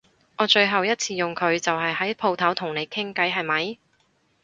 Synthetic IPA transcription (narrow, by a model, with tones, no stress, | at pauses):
ʔɔː˨˧t͡ʃɵ˧ɥɦɐ˨wjɐ˥t̚t͡sʰiː˧jʊ˨ŋkʰɵ˨˧ɥt͡sɐ˨wɦɐ˨jhɐ˨˥jpʰo˧wt̪ʰɐ˨˥wt̪ʰʊ˨˩ŋne˨˧jkʰɪ˥ŋkɐ˨˥jɦɐ˨jmɐ˨˥j